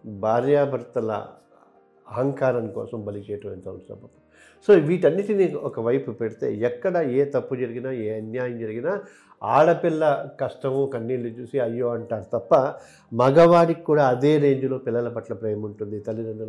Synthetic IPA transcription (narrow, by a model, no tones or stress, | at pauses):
bʱaːɾjaːbʱɐɾt̪ɐlɐ̰ | ɐɦɐŋkaːɾɐnkɔ̰ːsɐmbɐlit͡ʃɛːjɐʈɐʋɐnt̪ɐːnsɐ̰bɐt̪ɐ | soːʋiːʈɐnːiʈiniɔkɐʋɐjpupeɽit̪e̞̰ːɛkːɐɽɐeːt̪ɐpːud͡ʒɐɾiɡinaːeːɐnjaːjɐmd͡ʒɐɾiɡinaː | aːɭɐpilːɐkɐʂʈɐmukɐnːiːlut͡ʃuːsiɐjːoːɐɳʈaːɾut̪ɐpːɐ | mɐɡɐʋaːɽikːuːɽaːɐd̪e̞ːɾe̞ːɲd͡ʒulo̞ːpilːɐlɐpɐʈlɐpɾɐjɐmuɳʈund̪it̪ɐlid̪ɐɳɖɐ